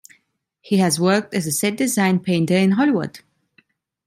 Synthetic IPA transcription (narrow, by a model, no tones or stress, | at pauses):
hiɨzwɜ˞k̚tɨzəsɛd̚dɨzãɪ̃npʰẽɪ̃ntə˞ɪ̃nɦɔlˠiwʊ̰d̥